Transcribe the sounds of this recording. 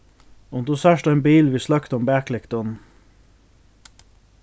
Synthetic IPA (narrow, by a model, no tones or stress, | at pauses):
ɔnd̪usæʃt̪ɑenbiːlʋiːslɑkt̪ɔmbæːklɪkt̪ɔn̩